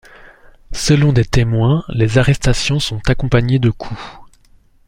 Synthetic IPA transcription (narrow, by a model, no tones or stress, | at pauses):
səlɔ̃d̪et̪emwɛ̃lezaʁɛst̪asjɔ̃sɔ̃t̪akɔ̃paɲed̪əkʰu